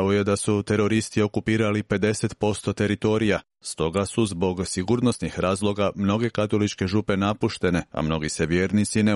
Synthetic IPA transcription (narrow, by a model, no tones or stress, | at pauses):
oje̞d̪asut̪e̞ɾo̞ɾist̪io̞kupiːɾalipe̞d̪e̞se̞t̪po̞st̪o̞t̪e̞ɾit̪o̞ɾija | st̪o̞ɡasuzbo̞ɡsiɡuɾno̞snixɾaːzlˠo̞ɡamno̞ɡe̞kat̪o̞lit͡ʃke̞ʒupe̞napuʃt̪e̞ne̞a̰mno̞ɡiseʋjeːɾnit̪sine